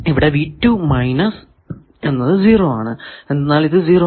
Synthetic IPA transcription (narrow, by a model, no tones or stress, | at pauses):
iʋiɽe̞ʋiːtːumɐjnɐs | e̞nːɐðɨziːroːaːɳɨend̪ɐnːaːliðɨziːro